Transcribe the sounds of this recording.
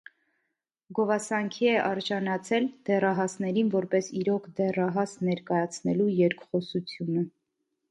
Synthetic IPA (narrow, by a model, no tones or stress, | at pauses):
ɡɔvɑsɑŋkʰiɛʔɑɾd͡ʒɑnɑt͡sʰɛld̪̥ɛrɑɦɑsnɛɾinvɔɾpɛsiɾɔkʰd̪ɛrɑɦɑsnɛɾkɑjɑt͡sʰnɛlujɛɾkχɔsut͡sʰjunə